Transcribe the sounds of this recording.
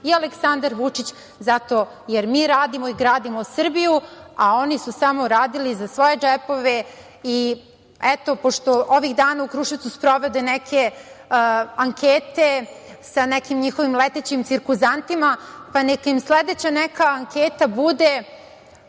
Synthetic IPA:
ialeksand̪aɾʋut͡ʂit͡ɕ | zat̪o̞ | jeɾmiːɾaːd̪imo̞iɡɾaːd̪imosr̩bijuao̞nisusamo̞ɾaːd̪ilizasʋo̞je̞d͡ʒɛpo̞ʋe | i | ɛt̪o̞po̞ʂt̪o̞ʔoʋiɣd̪aːnaukɾuʃit̪suspɾo̞ʋed̪enɛkʰe̞ | aŋkʰeːt̪esanɛkimɲixo̞ʋimlet̪et͡ɕimt̪siɾkuzant̪imapanekaimsled̪et͡ɕanɛkaːŋkʰeːt̪abud̪e

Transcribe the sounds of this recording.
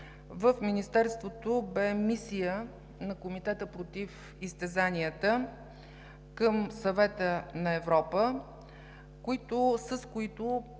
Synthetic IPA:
vəfminist̪ɛɾst̪vot̪obɛmisijə | nɐkomit̪ɛt̪əpɾot̪if | ist̪ɛzaniət̪ə | kəmsɐvɛt̪ənɐɛvɾɔpə | koit̪osəskoit̪o

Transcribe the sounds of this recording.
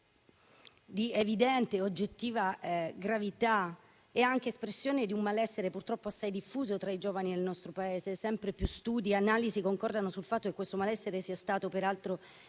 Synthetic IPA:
d̪ievid̪ɛnt̪eod͡ʒːet̪ːiːvaɡɾavit̪a | eaŋk̟eːspɾesːjoːned̪iummalɛsːeɾepurt̪ɾɔpːoasːajd̪ifːuːzot̪ɾaid͡ʒoːvanid̪elnɔst̪ɾopaeːzesɛmpɾepjust̪uːd̪ianaːlizikoŋkɔrd̪anosulfat̪ːokekːwest̪omalɛsːeɾesiːast̪aːt̪opeɾalt̪ɾo

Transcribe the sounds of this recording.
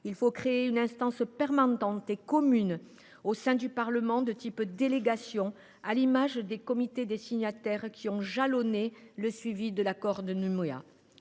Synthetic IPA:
ilfokχeeynɛ̃st̪ɑ̃spɛʁmãnɑ̃t̪ekɔmyn | osɛ̃d̪ypaʁləmɑ̃d̪ət̪ipd̪eleɡasjɔ̃ | alimaʒd̪ekɔmit̪ed̪esiɲat̪ɛʁkʲʰiɔ̃ʒalɔneləsɥivid̪əlakɔʁd̪ənymea̰

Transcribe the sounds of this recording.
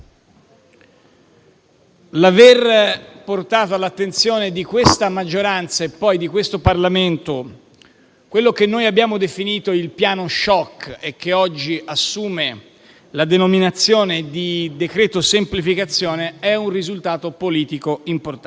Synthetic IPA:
laverport̪aːt̪oalːat̪ːent̪sjoːned̪ikwest̪amad͡ʒːoɾant̪saepːɔjd̪ikwest̪oparlament̪o | kwelːokenːoːjabjaːmod̪efiniːt̪oilpjaːnoʃɔkːek̟ːeɔd͡ʒːiʔasːuːme | lad̪enominat̪sːjoːned̪id̪ekɾɛːt̪osemplifikat̪sːjoːneɛunrizult̪aːt̪opoliːt̪ikoimport̪

